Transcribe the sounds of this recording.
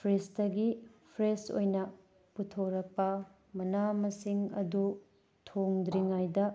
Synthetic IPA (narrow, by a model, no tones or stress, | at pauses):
pʰɾestɐɡipʰɾeso̰jnɐ | putʰoɾɐk̚pɐ | mɐnamɐsiŋɐ̰du | tʰoŋd̪ɾiŋajdɐ